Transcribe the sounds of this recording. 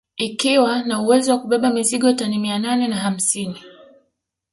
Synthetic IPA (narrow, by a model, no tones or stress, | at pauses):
ikiwanauwɛziwakuɓɛɓamiziɠɔtanimiananɛnaham̩sini